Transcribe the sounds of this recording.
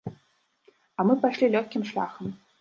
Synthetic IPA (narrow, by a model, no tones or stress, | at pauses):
ɐmɨpaʂlʲilʲɔxʲkʲimʂlʲa̰xɐm